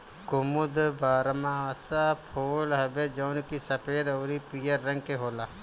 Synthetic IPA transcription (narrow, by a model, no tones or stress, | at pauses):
kʊmʊd̪baːɾmãəsapʰoːlɦɐbed͡ʒɐʊnkisɐpʰeːd̪ɔːɾipijəɾːɐ̃ŋɡ̚keɦoːlaː